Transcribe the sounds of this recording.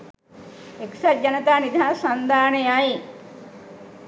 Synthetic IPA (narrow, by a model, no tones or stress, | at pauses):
eksɐd͡ʒɐnɐt̪aːnid̪ʱaːsɐnd̪aːnejaj